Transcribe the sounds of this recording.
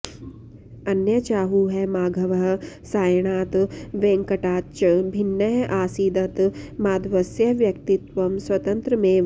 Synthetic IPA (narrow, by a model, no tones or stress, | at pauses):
ɐnjɐt͡ʃaːɦuɦɛmaːɡʱɐʋɐɦɐsaːjɳ̃aːt̪ʋẽːŋkɐʈaːt͡ʃɐbʱɪnːɐjʔaːsiːd̪ɐt̪maːd̪ʋɐsjɐʋjɐk̚t̪ɪt̪ʋɐmswɐt̪ɐ̃nt̪ɾəmẽ